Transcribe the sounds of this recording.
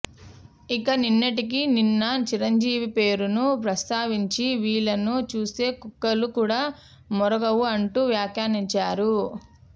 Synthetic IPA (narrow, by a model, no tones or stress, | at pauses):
ikɐninːɐʈik̬ininːɐt͡ʃiɾɐɲd͡ʒiːʋipe̞ːɾunupɾɐst̪aːʋiɲt͡ʃiʋiːɭɐnut͡ʃuːse̞ːkukːɐlukuːɽaː | mɔɾɐɡɐʋuɐɳʈuʋjaːkjaːniɲt͡ʃaːɾu